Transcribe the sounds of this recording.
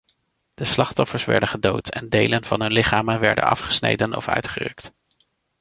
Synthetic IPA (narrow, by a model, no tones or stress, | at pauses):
d̥əslɑχtɔfəɹsʋɛ̰ɹdəχədowtɛ̰ndejlənvɑnɦɵnlɪχaːmənʋɛɹdə̰nɑ̰fχə̥snḛjdənɔ̰fœ̰ɥtχərɵ̰kt